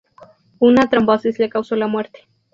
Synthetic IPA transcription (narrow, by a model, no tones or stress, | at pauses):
unat̪ɾambasislakawsolamweɾt̪e̥